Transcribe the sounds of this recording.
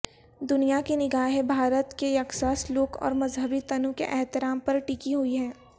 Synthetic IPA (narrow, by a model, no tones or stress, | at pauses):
d̪ʊnijakinɪɡaːɦebʱaːɾət̪kejɐksaːsloːkɔ̰ːɾmɐzɦəbit̪ɐnũkḛʔɛɦt̪ɪɾaːmpɐɾʈikiɦʊiɦɛ̃ː